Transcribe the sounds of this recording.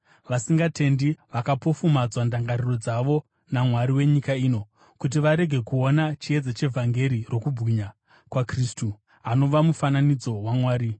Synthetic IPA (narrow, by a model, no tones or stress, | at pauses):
ʋasiŋɡatʰe̞ndiʋakapo̞fumad͡zwandaŋɡariro̞d͡zaʋo̞ | namwaɾiwe̞ɲikaiːno̞ | kut̬iʋaɾe̞ɡʱe̞kuonat͡ʃie̞d͡zat͡ʃe̞vʱaŋɡe̞ɾirʔo̞kubʱɣiɲa | kwakriːstu | ano̞ʋamufananid͡zo̞wamwaːɾi